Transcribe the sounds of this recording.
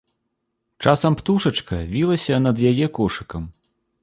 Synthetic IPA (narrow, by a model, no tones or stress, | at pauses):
t͡ʂasɐmpt̪uʂɐt͡ʂkɐvʲilˠɐsʲɐnɐd̪jajɛkɔʂɨkɐm